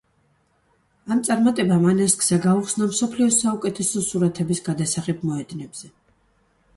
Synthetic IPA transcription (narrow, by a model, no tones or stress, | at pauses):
amt̪sʼaɾmat̪ʼɛbamanaskʼzaɡauχsnamsɔpʰliɔsaukʼɛt̪ʰɛsɔsuɾat̪ʰɛbisɡad̪asaχɛb̚mɔɛd̪nɛbz̥ɛ